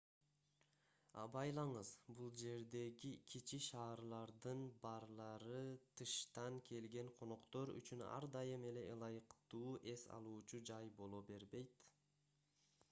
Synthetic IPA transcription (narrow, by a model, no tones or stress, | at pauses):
ɑ̰bɑjlˠɑɴɯzbulˠd͡ʒe̞ɾd̪e̞ɡikʲʰit͡ʃiʃɑːɾlˠɑɾd̪ɯnbɑɾlˠɑɾɯt̪ʰɯʃt̪ɑŋkʰe̞lɡe̞ɴqʰo̞noqt̪o̞ɾy̰t͡ʃynɑ̰ɾd̪ɑjɯme̞le̞ʔɯlˠɑjɯqt̪uːʔe̞sɑ̰lˠuːt͡ʃud͡ʒɑjbo̞lˠo̞be̞ɾbe̞jt̪